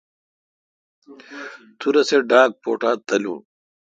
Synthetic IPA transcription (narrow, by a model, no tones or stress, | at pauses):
t̪ʰuɾɐseɖaːk̚poːʈaːt̪ɐlṵ̃n